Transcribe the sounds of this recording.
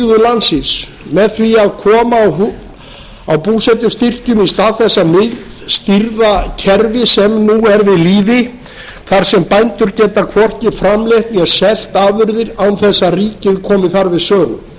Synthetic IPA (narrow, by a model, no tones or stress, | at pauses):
ðʏlansɪns | mɛðθɾiaðkʰɔːmawɦ | awpuːsɛt̪ʏst̪ir̥cʏmist̪aːðθɛsːamɪðst̪iɾðacʰɛɾvɪsɛmnuɛɾvɪðliːðɪ | θaɾ̥sɛmpajnt̪ʏɾcɛːt̪akʰvɔr̥cɪfɾamlɛht̪niasɛl̥t̪aːvʏɾðɪɾawnθɛsːariːcɪðkʰɔːmɪθaɾvɪðsœːɣʏ̰m